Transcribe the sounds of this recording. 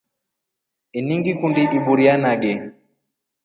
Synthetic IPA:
iniŋɡikundiʔiɓuɾianaɡɛ

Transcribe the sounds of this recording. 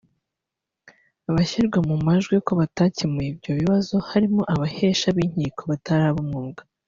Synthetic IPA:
aβaçiɾɡwamumaʒɡwiko̞βatacimebɟo̞βiβazohaɾimoʔaβaheːʃaβiɲ̥hiːkʰo̞βataɾaβomŋuɡḁ

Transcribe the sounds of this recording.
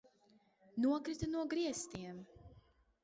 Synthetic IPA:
nuɔkɾit̪anuɔɡɾiɛst̪iɛm

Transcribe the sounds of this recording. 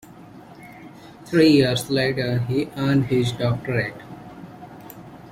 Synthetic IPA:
t̪ʰɾiːjiəɾsleːʈəɾɦiːʔãːnɖhɪzɖɔːk̚ʈəɾeʈ

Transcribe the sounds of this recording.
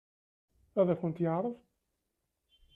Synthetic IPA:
æðæçənt̪jəʕɾˤəv

